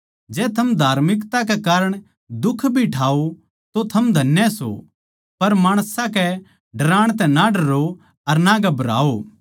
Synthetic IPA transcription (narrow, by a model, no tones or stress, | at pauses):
d͡ʒɛːt̪ʰɐmd̪ʱaːɾmɪkt̪ak̬ɛkaːɾəɽ̃ | d̪ʊkʰbʱiʈʰaːo | t̪ot̪ʰɐmd̪ʱɐnjɛso̰ | pɐɾmaːɽ̃sãkɛ | ɖɐɾãːɽ̃t̪̬ɛ̃naɖɐɾo | ɐɾnaɡɐbɾa̰ːo